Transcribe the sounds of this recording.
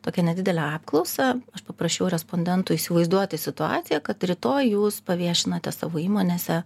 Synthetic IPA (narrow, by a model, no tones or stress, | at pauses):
t̪oːkʲɛnʲɛdʲɪd̪ʲɛlʲɛɑːpklˠɔʊsɑɐʃpɐpɾɐʃʲɛjʊɾʲɛspoːnʲd̪ʲɛnt̪ʊiːsʲɪʋɐɪzd̪uɔt̪ʲɪsʲɪt̪ʊɑ̰ːt̪sʲɪjɛkɐt̪ɾʲɪt̪oːjjuːspɐʋʲiɛʃʲɪnɐt̪ʲɛsɑ̰ːʋoːiːmoːnʲeːsʲɛ